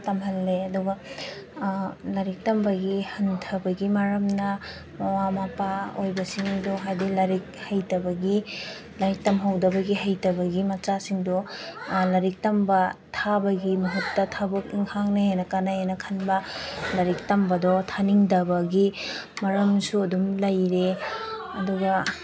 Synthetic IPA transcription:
tɐmɦɐlːeɐduɡɐ | lɐɾik̚tɐmbɐɡihɐntʰɐbɐɡimɐɾɐmnɐ | mawamapaojbɐsiŋdɔɦajdilɐɾik̚hɐjtɐbɐɡi | lɐɾik̚tɐmɦɐwdɐbɐɡiɦɐjtɐbɐɡimɐt͡ʃasiŋdɔlɐɾik̚tɐmbɐtʰabɐɡimɐɦutːɐtʰabɐk̚iŋhaŋnejenɐkanɐenɐkʰɐnbɐlɐɾik̚tɐmbɐdɔtʰaniŋdɐbɐɡimɐɾɐmsuɐdumlɐjɾe | ɐduɡɐ

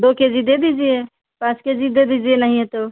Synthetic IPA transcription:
d̪oked͡ʒid̪ed̪id͡ʒije | pãt͡ʃked͡ʒid̪ed̪id͡ʒienəɦĩɦet̪o

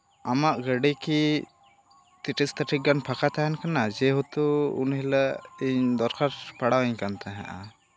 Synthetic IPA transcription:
amaʔɡəɖiki | t̪iʈist̪əʈʰik̚ɡanpʰakat̪aɦɛnkanad͡ʒɛɦut̪uṵnɦɛlaiɲd̪ɔɾkaɾpaɽawɛɲkant̪ʰaɦɛ̰̃ʔa̰

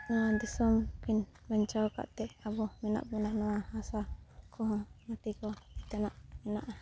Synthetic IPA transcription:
nɔwad̪isɔmkinbaɲt͡ʃawka̰ʔt̪ɛʔabɔmɛna̰ʔbɔnaʔnɔwahasakʰɔɦɔ̃mat̪ikɔt̪ɛnaʔmɛna̰ʔa

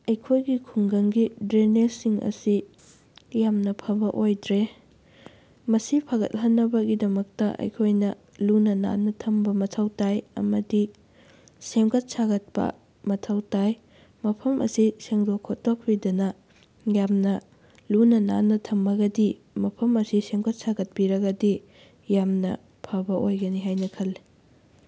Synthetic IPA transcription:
ɐjkʰojɡikʰuŋɡɐŋɡidɾeneɾsiŋɐ̰si | jamnɐpʰɐbɐʔojdɾe | mɐsipʰaɡɐ̰t̚ɦɐnːɐbɐɡidɐmɐk̚tɐʔɐ̰jkʰojnɐ | lunɐna̰nːɐtʰɐmbɐmɐtʰɐwtajɐ̰mɐdi | semɡɐt̚saɡɐt̚pɐ̰ | mɐtʰɐwtaj | mɐpʰɐmʔɐ̰siseŋdokʰːotːok̚ʰpidɐnɐ | jamnɐ | lunɐna̰nːɐtʰɐmːɐɡɐdi | mɐpʰɐmɐsisemɡɐt̚saɡɐt̚piɾɐɡɐdi | jamnɐ̰ | pʰɐbɐʔojɡɐniɦajnɐkʰɐlːi

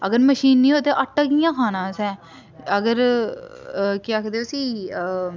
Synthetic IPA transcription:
əɡəɾməʃiːnːiːɦoːt̪eːʔəʈəɡɪjãːkʰaːnãːsɛ̃ː | əɡəɾ | kiəkʰd̪eːosiː

